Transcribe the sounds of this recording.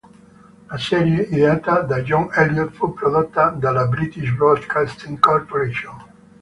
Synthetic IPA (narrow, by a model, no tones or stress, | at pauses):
lasɛɾjeʔiðeat̪ad̪aʒɔ̃ŋɛljot̪fupɾoðot̪ːad̪alabɾit̪iʃbɾod̪kast̪iŋkoɾpoɾeʃõn